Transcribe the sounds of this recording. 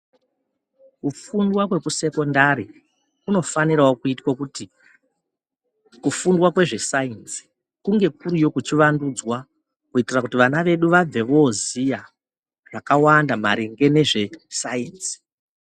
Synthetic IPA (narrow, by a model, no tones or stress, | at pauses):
kufundwakwe̞kuse̞ko̞ndaɾi | kuno̞faniɾaokuitwakuti | kufundwakwe̞ʐe̞sainsi̥ | kuŋɡe̞k̚uɾujo̞kut͡ʃiʋandud͡zwa | kuitirakutiʋanaʋe̞ɗuʋab͡ve̞ʋo̞zija | ʐakawandamaɾeŋɡe̞ne̞ʐe̞sainsi̥